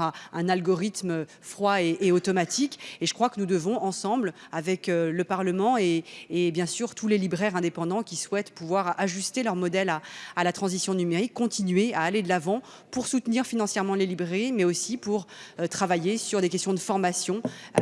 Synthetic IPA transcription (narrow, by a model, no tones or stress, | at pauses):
ɛ̃nalɡɔʁit̪mø | fχwaeʔːot̪ɔmat̪ʰikeʒə̥kχwakənud̪əvɔ̃ʔɑ̃sɑ̃blavɛkøləpaʁləmɑ̃eːbjɛ̃syʁt̪ʰulelibʁɛʁɛ̃d̪epɑ̃d̪ɑ̃kʲiswɛt̪puvwaʁaʒyst̪elœʁmɔd̪ɛlaːlat̪χɑ̃zisjɔ̃nymeʁikːɔ̃t̪inɥeaːled̪əlavɑ̃ | puʁsut̪niʁfinɑ̃sjɛʁmɑ̃lelibʁeʁimɛosipuʁøt̪χavajesyʁd̪ekʲɛst̪jɔ̃d̪əfɔʁmasjɔ̃